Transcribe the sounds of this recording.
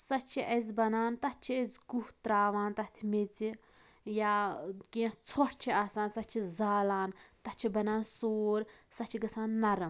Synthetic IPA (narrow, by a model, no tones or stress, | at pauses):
sɐt͡ʃʰiʔɐzʲbɐnaːnt̪ɐt͡ʃʰiɐzɡuht̪ɾaːʋaːnt̪ɐt̪ʰimet͡si | jaːkiɐ̃t͡sʰoʈʰt͡ʃʰiaːsaːnsɐt͡ʃʰizaːlaːnt̪ɐt͡ʃʰibɐnaːnsoːɾsɐt͡ʃʰiɡɐsaːnːɐɾɐm